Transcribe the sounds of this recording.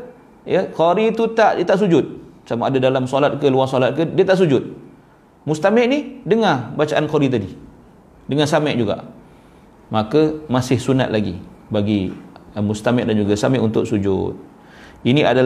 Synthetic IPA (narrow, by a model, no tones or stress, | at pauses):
jəkoɾit̪ut̪aʔdiət̪aʔs̬ud͡ʒʊt̪̚samaadadalamsɔlat̪̚kəluasɔlat̪̚kədiət̪aʔsud͡ʒʊt̪̚ | must̪amɛʔnihdəŋabat͡ʃaʔankɔɾit̪̬adi | dəŋasamɛʔd͡ʒuɡa̰ʔ | makəmasɪhsuna̰t̪̚laɡḭbaɡimust̪amɛʔdand͡ʒuɡasamɛʔunt̪ʊk̚sud͡ʒʊ̰t̪̚ | iniʔadal